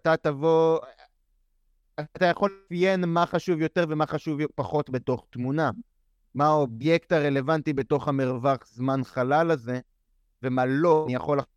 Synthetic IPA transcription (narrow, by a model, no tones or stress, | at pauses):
tatavo̞ | tajaχo̞lefjenmaχaʃuvjo̞te̞ʁve̞maχaʃuvpaχo̞tbe̞to̞χtmuna | maobje̞ktaʁe̞le̞vantibe̞to̞χamiʁvaχzmanχalalaze̞ | ve̞malo̞ijaχo̞la